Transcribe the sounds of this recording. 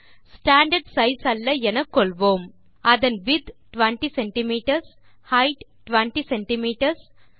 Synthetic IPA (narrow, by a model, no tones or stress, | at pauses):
sʈaːɳɖɐɾɖsɐjsɐlːɐɛnɐkːoɭʋoːm | ɐd̪ɐnʋid̪ʈʋɐɳʈiseɳʈimiːʈɐɾs | hɐjʈʈʋɐɳʈiseɳʈimiːʈɐɾs